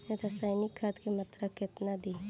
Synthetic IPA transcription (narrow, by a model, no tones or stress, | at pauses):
ɾasaɪnikʰːat̪kemɐt̪ɾakːet̪nad̪i